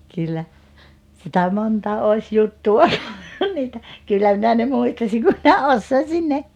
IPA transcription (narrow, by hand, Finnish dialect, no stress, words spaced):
kylːæ sitæ montɑ oˑis jutːuw̆ɑ niːtæ kylːæ minæ ne muistɑsiŋ ku minæ osːoisin ne